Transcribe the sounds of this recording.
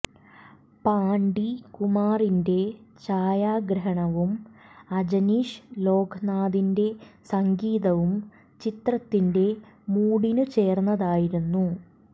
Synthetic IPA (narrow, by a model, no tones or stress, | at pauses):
paːɳɖikumaːrinde̞t͡ɕaːjaːɡɾɐɦɐɳɐʋumɐd͡ʑɐniːʂlo̞ːɡʰɐnaːðinde̞sɐŋɡiːðɐʋum | t͡ɕit̪rɐt̪ːinde̞ | muːɽinut͡ɕe̞ːrnːɐðaːjiɾunːu